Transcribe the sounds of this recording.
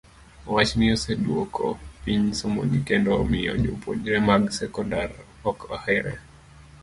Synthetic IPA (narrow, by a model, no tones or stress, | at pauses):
wat͡ʃniɔsɛɗwokɔ̰piɲsɔmɔ̰ɲikɛndɔmiɔ̰d͡ʒopɔd͡ʒɾɛmaɡsɛkɔndaɾ | ɔka̰hɛɾɛ̰